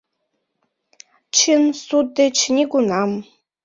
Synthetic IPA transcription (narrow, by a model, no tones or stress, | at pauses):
t͡ʃʰɪnsud̪ɨt͡ʃʰnʲiɡʷʊnam